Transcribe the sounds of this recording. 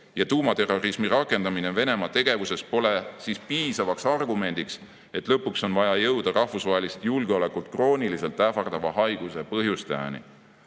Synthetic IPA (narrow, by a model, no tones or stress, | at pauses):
jɑt̪uːmɑt̪e̞ro̞rismiɾɑkːˑe̞nd̪ɑmine̞ve̞ne̞mɑt̪e̞ɡ̥e̞vuse̞spo̞le̞sispiːsɑvɑksɑrɡume̞nd̪̥iks | e̞t̪ːˑlɤpːukso̞nvɑjɑjɤwd̪ɑrɑhfusvɑɦe̞list̪julɡ̥eo̞le̞kult̪̚kro̞ːnilise̞lt̪ːˑæfɑrd̪̥ɑvɑɦɑjɡ̥usepɤɦjust̪ɑɑ̰nḭ